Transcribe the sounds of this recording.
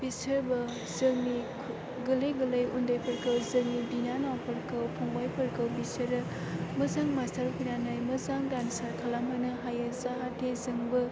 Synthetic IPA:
b̥isəɾbɐ | zɯmi | ɡɯlejɡɯlɯjundajpʰəɾkʰɯwzɯŋibinanawpʰɐɾkʰɯwpʰoŋbajpʰəɾkʰɯwbisɐɾɯ | mɯzaŋmastʰaɾkʰujnanajmɯzaŋdansaɾkʰalamɦɯnɯɦajɯzaɦatʰezɯŋbɯ

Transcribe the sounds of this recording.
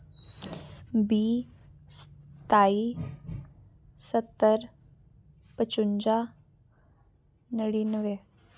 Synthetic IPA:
biːst̪ai | sət̪ːəɾ | pət͡ɕuɲd͡ʑa | nəɽinəʋe

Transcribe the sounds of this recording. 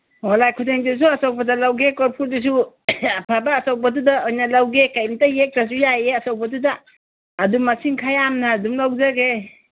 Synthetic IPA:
hɔlajkʰuteŋdis̬uasɔw̚badalawɡekɔɾpʰuɾdus̬u | apʰabaːsaw̚badudaɔjnalawɡekajmtajek̚tas̬ujajeasawbad̬udaː | dumːasiŋkʰajamnaːdumlawzaɡe

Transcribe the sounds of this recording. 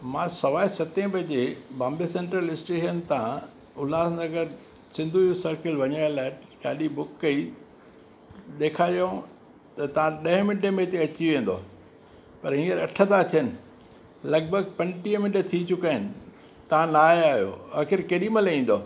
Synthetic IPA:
mãːsɐʋaːɪsɐt̪ẽbʱɐd͡ʑebãːmbesẽːɳʈɾəlɪsʈeːʃənt̪ʰã | ʊlaːsnɐɡəɾ | sɪ̃nd̪ʱuosɐɾkɪlʋɐɲaːɾlaːɦɪɠaːɗibʊkːɐi | ɗ̪eːkʰaːɗjõ | t̪ɐt̪ɐʋ̤ãɗɐɦmɪ̃ɳɖemẽt̪eɐt͡ɕiʋẽːn̆d̪o̰ː | pɐɾɦĩːəɾɐʈʰəd̪at̪ʰijənɪ̆ | lɐɡ̚bʱəɡ̚pɐ̃ɲʈiə̃mɪ̃nʈet̪ʰit͡ɕʊkaːɪnɪ̆ | t̪ɐʋ̤ãnaːaːɦijo̰ːaːxɪɾkeːɗiməlĩːn̆d̪oː

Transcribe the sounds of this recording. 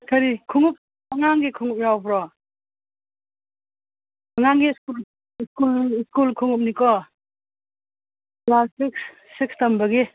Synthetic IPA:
kʰaɾikʰuŋup̚ | aŋaŋɡikʰuŋup̚nawpɾɔ | aŋaŋɡiskul | iskuliskulkʰuŋup̚nikɔ | plastiks | ikstambaɡe

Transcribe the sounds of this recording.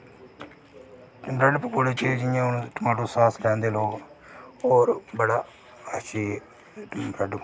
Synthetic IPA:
ʈmbɾɛɖpkoːɽeːt͡ʃed͡ʒɪjãːʊñːʈəmaːʈoːsaːslɛ̃ːnd̪eːloːɡ | ɔːɾbəɽaː | əʃiː | mbɾɛːɖ

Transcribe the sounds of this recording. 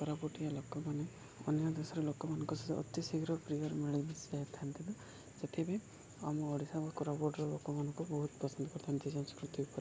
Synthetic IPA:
kɔɾabɔʈijalokɔmane | ɔ̰njɔd̪esɔɾelokɔmanɔŋkusit̪ḛʔɔ̰t̪isiɡɾɔpɾiɔɾmiɭibisaɦet̪ʰant̪id̪ɔ | set̪ʰibaj | a̰mɔːɽisabakɔɾabɔɾɖɾɔlokɔmanɔŋkubɔɦut̪pɔsɔnd̪ʱɔkɔɾt̪ʰant̪izɔnskɾut̪ibɔpaɾi

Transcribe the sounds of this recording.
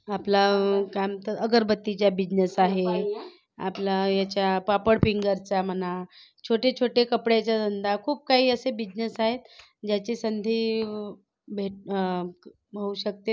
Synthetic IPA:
aplakamt̪əɾəɡəɾbət̪ːit͡ɕjabid͡ʑnəsaɦe | a̰plajat͡ɕjapapəɽpiŋɡəɾt͡sam̤əna | t͡ɕʰoʈet͡ɕʰoʈekəpɽjat͡ɕjad̪ʱənd̪ʱakʰuːp̚kaɦiːəsebid͡ʑnəsaɦet̪ | d͡ʑjat͡ɕiːsənd̪ʱiː | bʱeʈ̚ | bʱəuɕək̚t̪e

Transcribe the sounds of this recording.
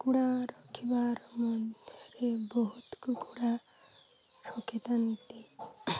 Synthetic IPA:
kuɽaɾɔkʰibaɾmɔd̪ʱjɔɾebɔɦut̪kukuɽa | ʃɔkit̪ant̪i

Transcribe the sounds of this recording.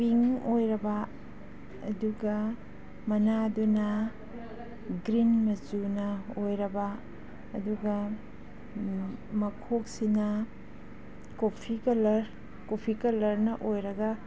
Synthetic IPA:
piŋojɾɐbɐː | duɡɐ | mɐnadunɐ | ɡɾinmɐzunɐojɾɐbɐː | duɡɐ | mɐkʰok̚sinɐ | kopʰikɐlɐɾ | kopʰikɐlɐɾnɐʔojɾɐɡɐ

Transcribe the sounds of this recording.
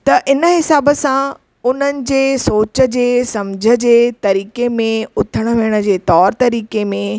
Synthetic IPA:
t̪ɐʔɪnəɦɪsaːbəsã | ʊn̤ənɪ̆d͡ʑeːsoːt͡ɕə̆d͡ʑeːsɐmd͡ʑʱəd͡ʑeːt̪ɐɾiːkemẽʊt̪ʰəɽ̃ə̆ʋeːɽ̃ə̆d͡ʑeːt̪ɔːɾt̪ɐɾiːkemẽ

